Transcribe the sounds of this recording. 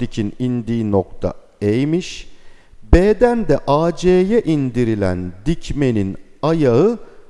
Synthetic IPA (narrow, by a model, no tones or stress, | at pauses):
icʰinind̪iːnok̚t̪ʰa̰ | ejmiʃ | beːd̪ænd̪ɛʔaːd͡ʒeːjɛʔind̪iɾilʲæ̰nd̪icme̞ninajaɯ